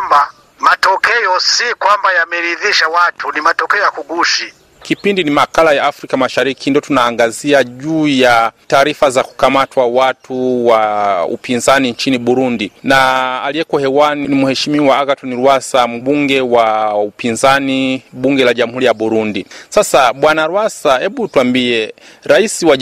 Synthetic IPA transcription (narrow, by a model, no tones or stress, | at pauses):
ba | matɔkɛɔsikwambajamɛɾiðiʃawatʰunimatɔkɛɔjakuɡuʃi | kipindinimakalajaːfɾikamaʃaɾikindiɔtunaːŋɡaziaʄuːjataːɾifazaku̥kamatwawatʰuwaṵpinzanint͡ʃiniɓuɾundinaːliɛkɔhɛwaninimuhɛʃimiuwaaɡatɔniɾwasam̩ɓuŋɡɛwaupinzaniɓuŋɡɛlaʄamuhuɾijaɓuɾundisasaɓwanaɾwasahɛɓutuwambiɛ | ɾaisiwa